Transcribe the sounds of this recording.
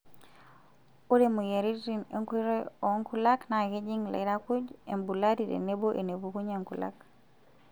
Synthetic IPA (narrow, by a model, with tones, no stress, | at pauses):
u˦ɾe˦˨mo˨je˨ɾi˦ɾi˨nḛ˦ŋki˦ɾe˦ɔ˨˦ŋku˦la˦kna˨ke˦d͡ʒi˦ŋla̰˨i˦ɾa˦ku˦d͡ʒe˨mbu˨la˦di˨ɾḛ˨ne˦bo˦ʔe˨ne˨bu˨ku˦ɲa˨ŋku˨la̰˦k